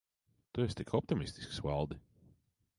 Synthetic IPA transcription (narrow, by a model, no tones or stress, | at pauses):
t̪uɛst̪ikʰɔp̚t̪imist̪i̥sksvalˠd̪i